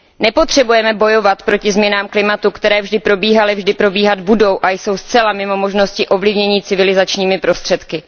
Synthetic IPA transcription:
nɛpo̞t̪r̝̥ɛbujɛmɛbo̞jo̞vat̪pɾo̞cɪzmɲɛnaːmklɪmat̪ukt̪ɛɾɛːvʒdɪpɾo̞biːɦalɪvʒdɪpɾo̞biːɦad̪budo̞wʔajso̞wst͡sɛlamɪmo̞mo̞ʒno̞scɪʔo̞vlɪvɲɛɲiːt͡sɪvɪlɪzat͡ʃɲiːmɪpɾo̞st̪r̥ɛt̪kɪ

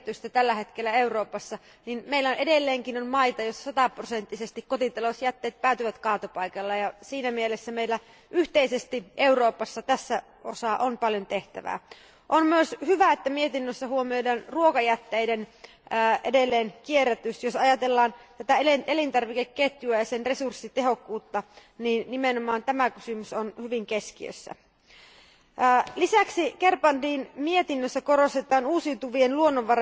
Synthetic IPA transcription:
t̪yst̪æt̪ælːæɦet̪kelːæeuroːpɑsːɑ | ninmeilːæonedelːeːŋkinonmɑit̪ɑjosːɑ̥sɑt̪ɑprosent̪ːisest̪ikkot̪it̪ɑlosjæt̪ːeːt̪̚pæːˑyt̪yʋæt̪kɑːt̪opɑikɑlːɑjɑsiːnæmielesːæmeilːæ | ʔyht̪eisest̪iʔeuroːpɑsːɑt̪æsːæ | o̰sɑːʔonpɑljont̪eht̪æ̰ʋæ̰ː | ʔonmyøshyʋæet̪ːæmiet̪inːøsːæhuomiodɑːnruokɑjæt̪ːejdenː | ʔedelːeːnkieræt̪ysjosɑjɑt̪elːɑːnt̪æt̪æeleʔelint̪ɑrʋikekːet̪juæjɑsenresursːit̪eɦo̞kːuːt̪ːɑ | niːnːimenomɑːnt̪æmækysymysonhyʋiŋkeskiø̰sːæ̰ | lisæksike̞rpɑndiːnmie̞t̪inːøsːækoɾost̪et̪ˑɑːnuːsiut̪uʋienluonːoʋʋɑrɑ

